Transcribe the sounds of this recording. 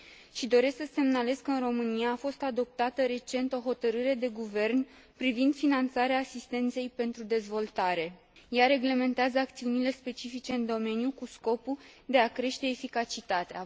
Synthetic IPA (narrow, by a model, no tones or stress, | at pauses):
ʃid̪o̞ɾe̞sksəse̞mnale̞skəɨnro̞mɨnijaːfo̞st̪ad̪o̞p̚t̪at̪əɾe̞t͡ʃe̞nt̪o̞ɦo̞t̪əɾɨɾe̞d̪e̞ɡuve̞rn | pɾivind̪̥finant̪saɾeaːsist̪e̞nt̪se̞jpe̞nt̪ɾud̪e̞zvo̞lt̪aɾe̞ | jaɾe̞ɡle̞me̞nt̪eazəak̚t̪siunile̞spe̞t͡ʃifit͡ʃe̞ɨnd̪o̞me̞njukusko̞pud̪e̞akɾe̞ʃt̪e̞ːfikat͡ʃit̪at̪ea